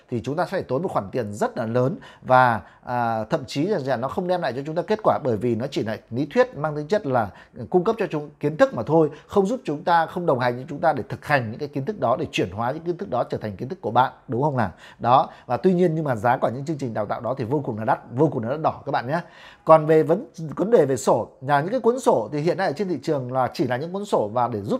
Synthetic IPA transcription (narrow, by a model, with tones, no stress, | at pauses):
t̪ʰi˨˩t͡ɕʊ˨˦ŋ͡mt̪aː˧sɛ˧˥tʰeː˧˩t̪o˨˦jmo˨˩t̚xwaː˧˩nt̪i˨˩ənzə˦˥t̚nəː˨˩nləː˨˦nvaː˨˩˨ | t̪ʰə̰˧˨mt͡ɕi˨˦za˨˩zlaː˨˩nɔ˨˦xə˧wŋ͡mɗɛ˧mla̰˧˨jt͡ɕɔ˧t͡ɕʊ˨˦ŋ͡mt̪aː˧ke˦˥t̚kwaː˧˩ɓəː˧˩jvi˨˩nɔ˨˦t͡ɕi˧˩la̰ː˧˨jnḭ˧˥t̪ʰwi˦˥ət̚maː˧ŋt̪ʰi˨˦ŋt͡ɕə˦˥t̚laː˨˩ | kʊ˧ŋ͡mkə˦˥p̚t͡ɕɔ˧˨˦ki˨˦ənt̪ʰɨ˦˥k̚maː˨˩t̪ʰo˧jxə˧wŋ͡mzu˦˥p̚t͡ɕʊ˨˦ŋ͡mt̪aː˧xə˧wŋ͡mɗə˨˩wŋ͡mɦa˨˩jŋt͡ɕɔ˧t͡ɕʊ˨˦ŋ͡mt̪aː˧ɗe˧˩t̪ʰɨ˨˩k̚ha˨˩jŋ̟ɲɨ̰˧˥ŋkaː˨˦jki˨˦nt̪ʰɨ˦˥k̚ɗɔ˨˦ɗe˧˩t͡ɕwi˧˩ənɦwaː˨˦ɲɨ̰˧˥ki˨˦nt̪ɨ˦˥k̚ɗɔ˨˦t͡ɕəː˧˩t̪ʰa˨˩ŋki˨˦t̪ɨ˦˥kːu˧˩əɓa̰ː˧˨nɗʊ˨˦ŋ͡mxə˧wŋ͡mlaː˨˩ɗɔ˨˦vaː˨˩t̪wi˧ɲi˧ənɲɨ˧ŋmaː˨˩zaː˨˦kɔ˧˩ɲɨ̰˧˥ŋt͡ɕɨ˧əŋt͡ɕi˨˩ŋ̟ɗaː˨˩t̪a̰ː˧˨wɗɔ˨˦t̪ʰi˨˩vo˧k̚na˨˦a˦˥t̚vo˧kna˨˦a˦˥t̚ɗɔ˧˩kaː˦˥k̚ɓa̰ː˧˨ɲaː˨˦ | kɔ˨˩nve˨˩və˨˦nkwə˨˦nɗe˨˩ve˨˩so˧˩aː˨˩ɲɨ̰˧˥kaː˨˦kwnso˧˩t̪ʰi˨˩ɦḭ˧˨əna˧jʔəː˧˩˨t͡ɕe˧nt̪ʰḭ˧˨t͡ɕɨ˨˩əŋlaː˨˩t͡ɕi˧˩laː˨˩ɲɨ̰˧˥ŋkwə˨˦nso˧˩vaː˨˩ɗe˧˩zu˦˥p̚